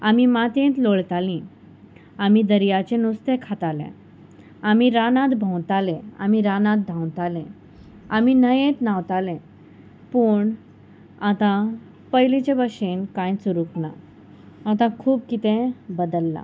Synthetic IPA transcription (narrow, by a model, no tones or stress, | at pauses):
amimat̪ẽt̪loɭt̪alĩ | amid̪əɾjat͡ɕenust̪ẽkʰat̪alḛ̃ | amiɾanãt̪bʱə̃w̃t̪alɛ̃a̰miɾanãt̪̚d̪ʱãw̃t̪alɛ̃ | aminəjẽt̪nawt̪alɛ̃ | puːɳ | at̪ã | pəjlit͡ɕebəʂenkãjt͡suɾukna̰ | at̪ãkʰuːb̚kit̪ẽbəd̪əlːa̰